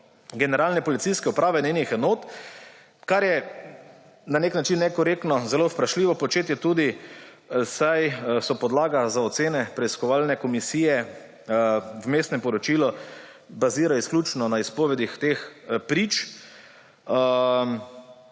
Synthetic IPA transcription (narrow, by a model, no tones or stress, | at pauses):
ɡɛnɛɾaːlnɛpɔlit̪siskɛupɾaːʋɛnenixɛnoːt̪ | kaɾjɛ | naneknat͡ʃinːɛkɔɾekt̪nɔzɛlospɾaʃliːʋɔpɔt͡ʃeːt̪jɛt̪uːd̪i | sajsɔpɔd̪laːɡazaɔt̪seːnɛpɾɛiskɔʋaːlnɛkɔmisiːjɛ | wmeːst̪nɛmpɔɾɔt͡ʃiːlɔ | baziːɾaisklʲut͡ʃnɔnaispoːʋɛd̪ixt̪expɾiːt͡ʃ